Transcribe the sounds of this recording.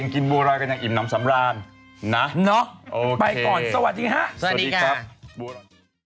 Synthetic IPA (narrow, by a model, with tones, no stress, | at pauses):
ŋki˧nbo˧ɾaː˧nka˧nja˨˩ŋʔi˨˩p̚naː˦˥msa˩˦mɾaː˧nː | a˦˥nɔ˦˥ʔoː˧pa˧jkɔː˨˩nsa˧wa˨˩t̪̚ɗiː˧ŋha˦˥ʔa˧˨˧diː˧kʰaːa˧˦˥bu˧